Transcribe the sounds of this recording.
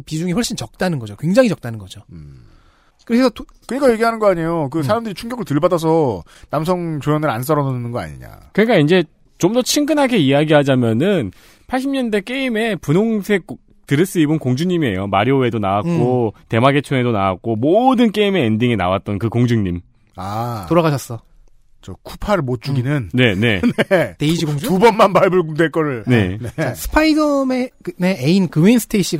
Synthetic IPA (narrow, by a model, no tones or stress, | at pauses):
pid͡ʑuŋiɸʌɭɕ͈int͡ɕʌk̚t͈anɯnɡʌd͡ʑokwe̞ŋd͡ʑaŋit͡ɕʌk̚t͈anɯnɡʌd͡ʑo | kɯɾʰesʰʌto | kɯɲik͈ajeɡiɦanɯnɡʌaɲejok̬ɯsʰaɾamdɯɾit͡ɕʰuŋɡjʌɡɯɭtɯɭbadas̬ʰʌ | namsʰʌŋt͡ɕojʌnɯɾans̬͈ʌɾʌnʌnɯnɯnɡʌa̰ɲiɲa̰kɯɲik͈aind͡ʑe̞ | t͡ɕomdʌt͡ɕʰiŋɡɯnɦaɡeijaɡiɦad͡ʑamjʌnɯn | pʰaɭɕ͈imɲʌnde̞k͈eime̞punoŋsʰe̞k | tɯɾɯɭs͈ɯibɯnkoŋd͡ʑuɲimie̞̰jomaɾioe̞donawat̚kk͈ote̞maɡe̞t͡ɕʰoŋe̞dona̰wak̚k͈omodɯnk͈e̞ime̞ːndiŋina̰wat̚t͈ʌnkɯkoŋd͡ʑɯŋɲim | atoɾaɣaɕʰʌs͈ʌ | t͡ɕʌkʰu̥pʰaɾɭmot̚t͡ɕ͈uɡinɯnne̞ne̞neteid͡ʑiɡoŋd͡ʑuubʌnmanpaɭbɯɭɡumdweɭk͈ʌɾɯɭne̞̰net͡ɕasʰɯ̥pʰaidʌmeneeinkɯmeinsʰɯ̥tʰeiɕʰi